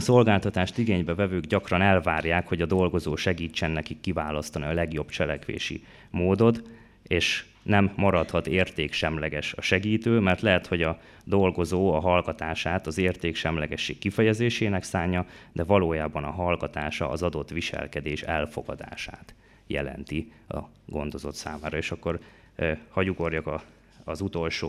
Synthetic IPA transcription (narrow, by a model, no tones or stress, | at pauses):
ɒso̞lɡaːlt̪ɒt̪aːʃt̪iɡeːɲbɛvɛvøːɡɟɒkrɒnɛlvaːrjaːkho̞ɟɒd̪o̞lɡo̞zoːʃɛɡiːt͡ʃːɛnːɛkikːivaːlɒst̪ɒniɒlɛɡjo̞bt͡ʃɛlɛ̰kʋḛːʃḭ | moːd̪o̞t̪ | eːʃ | nɛmːɒɾɒt̪hɒt̪eːrt̪eːkʃɛmlɛɡɛʃɒʃɛɡiːt̪øːmɛrt̪lɛɦɛt̪ho̞ɟɒ | d̪o̞lɡo̞zoːɒɦɒlɡɒt̪aːʃaːt̪ɒzeːrt̪eːkʃɛmlɛɡɛʃːḛːkːifɛjɛzeːʃeːnɛksaːɲːɒd̪̥ɛvɒloːjaːbɒnɒɦɒlɡɒt̪aːʃɒ̰ːzɒd̪o̞t̪ːʋiʃɛ̰lkɛd̪eːʃɛlfo̞ɡ̥ɒd̪a̰ːʃa̰ːt̪ | jɛ̰lɛ̰nt̪i | ɒ̰ | ɡo̞nd̪o̞zot̪sa̰ːmaːɾɒeːʃɒkːo̞r | hɒɟuɡo̞rjɒkɒ | ɒzut̪o̞lʃoː